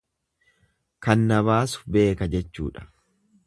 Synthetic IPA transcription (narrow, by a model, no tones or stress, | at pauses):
kɐnːɐβaːsʊ̥be̞ːkɐd͡ʒɛt͡ʃːṵːᶑɐ̥